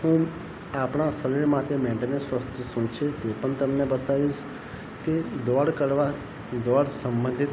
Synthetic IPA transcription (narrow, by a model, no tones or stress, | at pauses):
ɦũ | apɽ̃ãsəʋiɽmãt̪ʰemẽɳʈenəsʋəst̪ʰusũt͡ʃʰet̪epəɳt̪əmnebət̪aʋiʃ | ked̪ɔɽkəɾʋa | d̪ɔɽsə̃mbə̃nd̪ʱit̪